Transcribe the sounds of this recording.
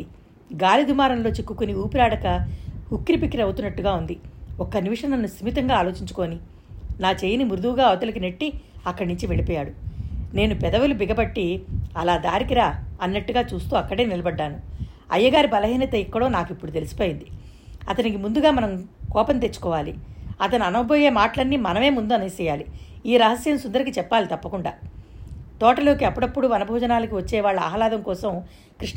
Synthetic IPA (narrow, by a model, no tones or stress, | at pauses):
i | ɡaːlid̪umaːɾɐmlo̞ːt͡ʃekːukuniuːpiɾaːɽɐkɐhukːɾipikːiɾɐwut̪unːɐʈːuɡaːund̪iɔkːɐniʋiʂɐnɐnːusimit̪ɐŋɡaːlo̞ːt͡ʃiɲt͡ʃu̥ko̞ːni | naːt͡ʃeːjinimuɾd̪uʋuɡaːɐʋɐt̪ɐlɐk̬ineʈːiɐkːɐɽɐnuɲt͡ʃiʋeɭipɔːjaːɽune̞ːnupɛd̪ɐʋulubiɡɐbɐʈːiɐlaːd̪aːɾikiɾaːɐnːɐʈːuɡaːt͡ʃuːst̪uːɐkːɐɽe̞ːnilɐbɐɖːaːnuɐ̰jːɐɡaːɾibɐlɐɦiːnɐt̪ɐikːɐɽoːnaːkipːuɽut̪elusi̥poːjind̪i | ɐt̪ɐnikimund̪uɡaːmɐnɐmkɔːpɐnt̪et͡ʃːu̥kɔːʋaːliɐt̪ɐnuɐnɐɐboːjeːmaːʈɐlɐnːimɐnɐme̞ːmund̪uɐnɐsɛːjaːli | iːɾɐɦɐsjɐmsund̪ɐɾikit͡ʃɛpːaːlit̪ɐpːɐkuɳɖaː | t̪ɔːʈɐlo̞ːkiɐpːuɽɐpːuɽuʋɐnɐbʱɔːd͡ʒɐnaːlɐkiʋɐt͡ʃːɛːʋaːɭːɐa̰ːɦɐlaːd̪ɐmkɔːsɐm | kɾiʂ